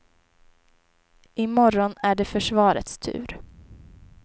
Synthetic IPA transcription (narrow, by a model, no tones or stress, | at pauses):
ʔɪmɔɾɔnæɖɛfœʂvɑːɾə̰t̪st̪ʰʉ̟̰ːɾ